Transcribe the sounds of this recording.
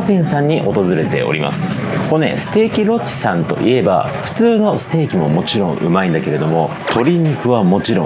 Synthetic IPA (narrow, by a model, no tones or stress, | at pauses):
t̪ẽɰ̃sãɲ̟ːiʔo̞t̪o̞zɨɾe̞t̪e̞̰o̞̰ɾʲima̰sɨ̥ko̞ne̞̰sɨ̥t̪e̞ːkʲiɾo̞t͡ɕːi̥sãnt̪o̞̰ʔie̞ba̰ | ɸɯ̟̥t͡sɨːno̞sɨ̥t̪e̞ːkʲimo̞mo̞t͡ɕiɾõ̞ɰ̃ʔɯ̟̰maĩnd̪ake̞ɾe̞d̪o̞mo̞ | t̪ʰo̞ɾʲiɲʲikɯ̟βamo̞t͡ɕiɾõ